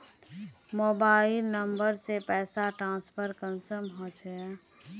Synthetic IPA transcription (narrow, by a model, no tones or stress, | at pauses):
moːbaːɪlnəmbəɾsepɛːsaʈɾãːspʰəɾkə̃nsəmɦɔ̃t͡ʃɛ